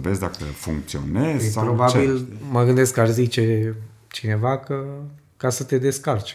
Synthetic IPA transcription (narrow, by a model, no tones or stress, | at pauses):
vezd̪akə̰fṵŋk̚t̪sio̰nezpɾobabilməɡɨnd̪e̞skarzit͡ʃe̞ | t͡ʃine̞vakə | kasət̪e̞d̪e̞skart͡ʃe̥